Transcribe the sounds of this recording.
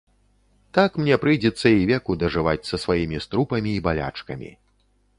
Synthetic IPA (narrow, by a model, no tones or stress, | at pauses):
t̪akmnʲɛpɾɨjd͡zʲɛt̪sːɐivʲɛkud̪ɐʐɨvat͡sʲsɐsvajimʲist̪ɾupɐmʲiːbalʲa̰t͡ʂkɐmʲḭ